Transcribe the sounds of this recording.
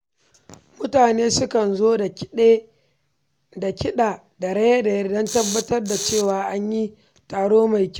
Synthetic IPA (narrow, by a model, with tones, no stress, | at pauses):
mʊ˦taː˨neː˦sʊ˦kɐ˨nzoː˦de˦ | da˨kʲɪ˦ɗaː˨ | da˨ɽɐ˦jɐ˦da˨jɐ˦rdɐ˦ntɐ˦bːɐ˦tɐ˦rda˨t͡ʃeː˦˨waː˨ʔa˦ɲji˦ | taː˨ɽoː˦ma˨jkʲ